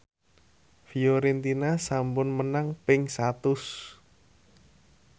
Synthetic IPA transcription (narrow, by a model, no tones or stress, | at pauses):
fioɾent̪inasampʊnmənaŋpɪŋsat̪ʊs